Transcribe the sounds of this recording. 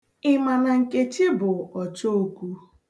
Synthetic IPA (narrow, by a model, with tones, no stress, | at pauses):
ɪ˦ma˨na˨ŋ̩˨ke˦t͡ʃɪ˦bʊ˨ɔ˨t͡ʃo˦o˨ku˦